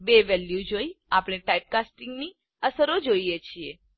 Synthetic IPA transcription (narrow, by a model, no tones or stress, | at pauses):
beʋɛljud͡ʒoiapɽ̃eʈajp̚kasʈiŋɡni | əsəɾod͡ʒoijet͡ʃʰie